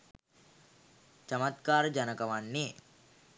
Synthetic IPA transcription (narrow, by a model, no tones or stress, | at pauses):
t͡ʃəmat̪kaːɾəd͡ʒanəkəʋanːe